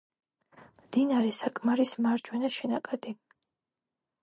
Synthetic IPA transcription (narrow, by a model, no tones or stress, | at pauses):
md̪inaɾɛsakʼmaɾismaɾd͡ʒwɛnaʃɛnakʼad̪̥i